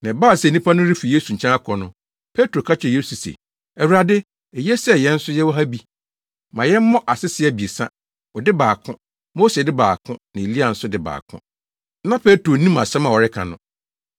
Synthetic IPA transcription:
nã˨baː˦˨sɛ˨nĩ˦pʰa˦nʊ̃˦ɾi˦fi˨je˦su˨ɲ̩ʰ˨ɛ̃˦a˦kʰɔ˨nʊ̃˦ | pʰe˦tɾo˨kʰa˦t͡ɕʰᶣje˦su˨sḛ˨ | ɛ˨wu˨ɾa˨dɪ˦ | ɛ˨jɛ˦sɛ˦˨jɛ̃˦n̩˦sʊ˦jɛ˦wɔ˦ɦa˦bi˦ | mã˨jɛ˦m̩˦mːɔ̃˦ʔa˨sɪ˦sɪ˨˦ɛ˦˨bi˨e˨sã̰˦ | wɔ˨dɪ˦baː˨kʰʊ̃˦ | mo˦se˨dɪ˦baː˨kʰʊ̃˦nã˨e˨li˦a˨n̩˦sʊ˦dɪ˦ba̰ː˨kʰʊ̰̃˦ | nã˦pʰe˦tɾo˨nĩ˦mã˨sɛ̃˦mã˨wɔ˨ɾɪ˦kʰã̰˨nʊ̃˦˨

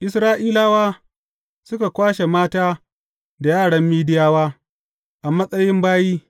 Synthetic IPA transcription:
ʔɪ˨sɾaː˦ʔiː˦laː˦waː˦ | sʊ˦ka˨kʷaː˦ʃe˨maː˦taː˦ | da˨jaː˦˨ɽɐ˦mːiː˦dɪ˦jaː˦waː˦ | ʔa˨mɐ˦sʼɐ˦jɪ˦mbaː˦jiː˦

